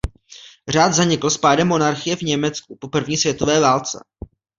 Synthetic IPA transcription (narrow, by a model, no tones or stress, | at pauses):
r̝aːd̪zaɲɪkl̩spaːdɛmːo̞naɾxɪjɛvɲɛmɛt͡skupo̞pr̩vɲiːsvjɛt̪o̞vɛːvaːlt͡sɛ̰